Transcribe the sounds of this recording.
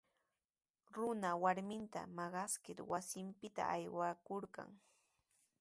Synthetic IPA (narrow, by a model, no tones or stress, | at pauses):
ɾʊnawaɾmɪnt̪a̰mɑɢɑskɪɾwasɪmpɪt̪a̰ʔajwakoɾɢɑ̰ŋ